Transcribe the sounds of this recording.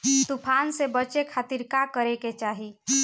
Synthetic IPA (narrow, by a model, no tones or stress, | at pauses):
t̪upʰansebət͡ʃekʰaːt̪iɾkakəɾeket͡ʃaːɦi